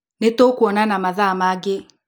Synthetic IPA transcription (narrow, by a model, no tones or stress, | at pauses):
netokuɔnanamaðamaɡe